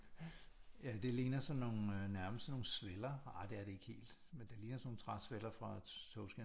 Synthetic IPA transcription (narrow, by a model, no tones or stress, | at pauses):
jæd̥e̝leːnɐsɒ̽nːo̝ːn̩næɐməsd̥əno̝ːn̩sʋelɐɑ̈ɪd̥e̝æɐɾ̥e̝e̝ɡ̥he̝̰ːld̥ | mend̥e̝liːnɐsno̝ːŋ̩n̩t͡sʰʁɑ̥̈sʋelɐfʁɑ̈t͡sʰɔʊsɡ̥æ